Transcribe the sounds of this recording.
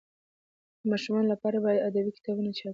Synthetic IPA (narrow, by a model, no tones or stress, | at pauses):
d̪əmɑʃumɑnolapɑɾabɑjad̪ad̪abikɪ̥t̪ɑbunat͡ʃɑ